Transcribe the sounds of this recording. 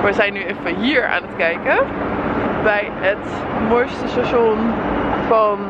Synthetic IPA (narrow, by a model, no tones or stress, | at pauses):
ʋəzɛjnyɪnfəɦiːɹa̰ːnətkɛjkə | bɛj | ət | mɔjstəstaʃoɔnfɑn